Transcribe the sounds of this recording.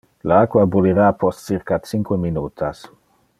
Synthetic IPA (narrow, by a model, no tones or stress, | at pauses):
laakwabuliɾapɔstsiɾkat̪t͡siŋkweminuːt̪ʰas